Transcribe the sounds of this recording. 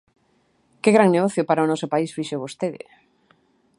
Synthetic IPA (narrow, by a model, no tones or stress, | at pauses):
keɣɾaŋneɣɔθjopaɾaʊnɔsʊpaisfiʃoβost̪eðɪ̰